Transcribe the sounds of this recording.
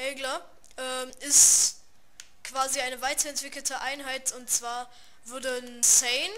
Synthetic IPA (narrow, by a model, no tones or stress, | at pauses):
ʔɛːɡlɐ | ʔɛːmɪst | kv̥aːziaɪnəvaɪtɐɛntv̥ɪkl̩tʰəʔaɪnɦaɪtʊntt͡sv̥aːɐ | vʊɐdənsɛɪn